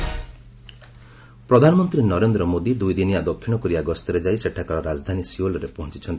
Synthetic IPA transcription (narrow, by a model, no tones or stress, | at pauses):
pɾɔd̪ʱanɔmɔnt̪ɾinɔɾend̪ɾɔmod̪id̪ujd̪inijad̪ɔkʰːiɽ̃ɔkɔɾiaɡɔst̪ɔɾed͡ʒajseʈʰakɔɾɔɾad͡ʒd̪ʱanisiolɔɾepɔɦɔt͡ʃi̥t͡ʃʰɔnt̪i